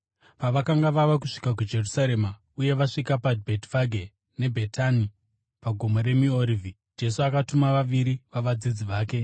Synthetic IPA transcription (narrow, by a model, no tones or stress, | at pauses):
paʋakaŋɡaʋaʋakuʂi̥kakud͡ʒe̞rusaɾe̞ma | uje̞ʋaʂikapadbʱetvaɡʱe | ne̞bʱe̞tʰani | paɡʱo̞moɾe̞mioɾivi | d͡ʒe̞suakatumaʋaʋiɾiʋaʋad͡zid͡ziʋaːke̞